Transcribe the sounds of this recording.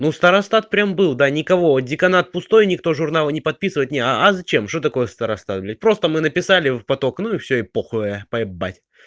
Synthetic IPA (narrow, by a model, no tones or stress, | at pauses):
nust̪əɾɐst̪at̪̚pɾʲambɨlˠd̪anʲɪkɐvo̞dʲɪkɐnat̪̚pʊst̪o̞jnʲɪkt̪o̞ʐʊrnalˠənʲɪpɐt̪̚pʲisɨvəjɪt̪nʲeɐzɐt͡ɕemʂt̪ot̪ɐko̞jəst̪əɾɐst̪at̪̚bʲlʲɪt̚ʲpɾo̞st̪əmɨnəpʲɪsalʲɪfpɐt̪o̞knuɪfsʲɵɪpoxəəjəpəɪbːa̰tʲ